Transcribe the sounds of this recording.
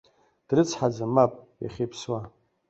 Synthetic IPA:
d̥rɨt͡sʰħad͡zamapʼja̰χʲejpʰswa

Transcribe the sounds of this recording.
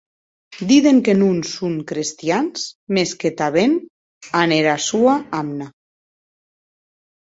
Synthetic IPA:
d̪iðeŋkenunsuŋkɾest̪janzmesket̪aβen | aneɾasuaamna

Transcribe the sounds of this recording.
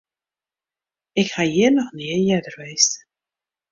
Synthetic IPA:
ɪkhajɪnɔxniəjɛdərʋejst

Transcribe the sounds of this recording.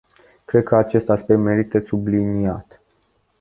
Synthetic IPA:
kɾe̞d̪̚kəat͡ʃe̞st̪aspe̞k̚t̪me̞ɾit̪əsubliniat̪

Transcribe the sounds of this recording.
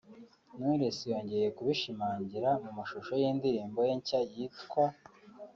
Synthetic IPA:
nuɾesijo̞ːɲɟe̞je̞kuβiʃimaːɲɟiɾamumaʃuʃo̞jiːndiɾiːmbo̞jeɲcajitkwa

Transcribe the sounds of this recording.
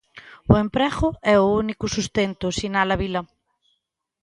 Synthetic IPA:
ʊempɾɛɣʊɛʊunikʊsust̪ent̪ʊsinalɐβilɐ

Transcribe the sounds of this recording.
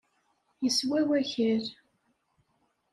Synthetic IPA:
jəswæwæçəɾ

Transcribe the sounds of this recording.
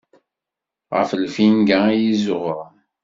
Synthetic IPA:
ʁə̰fəlfinɡæjizʊʁəʁ

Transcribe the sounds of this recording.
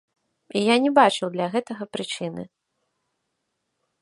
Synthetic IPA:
ijanʲɛbat͡ʂɨwd̪lʲɐɣɛt̪ɐɣɐpɾɨt͡ʂɨnɨ̰

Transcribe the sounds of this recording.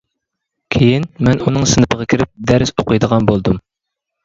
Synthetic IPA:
kʲʰejinmɛnunɨŋsɨnɨpʰəʁɑkʲʰiɾɪp̚d̪ɛɾsoqəjd̪əʁɑnbolˠd̪um

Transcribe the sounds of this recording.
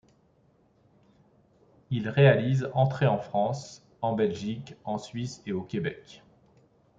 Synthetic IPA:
ilʁealizɑ̃t̪χeɑ̃fχɑ̃s | ɑ̃bɛlʒikɑ̃sɥiseokʲebɛk

